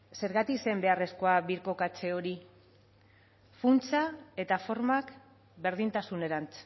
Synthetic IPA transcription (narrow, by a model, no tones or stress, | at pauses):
se̞ɾɣat̪ise̞mbe̞are̞sko̞aβiɾko̞kat͡se̞o̞ɾi | funt͡sae̞t̪afo̞ɾmak | be̞ɾðint̪asune̞ɾant͡s